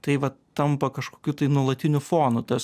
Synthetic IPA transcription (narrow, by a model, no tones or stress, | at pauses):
t̪ɐɪʋɐt̪ɐmpɐkɐʃkoːkʲuːt̪ɐɪnuɔlˠɐt̪ʲɪnʲʊfoːnʊt̪ɐs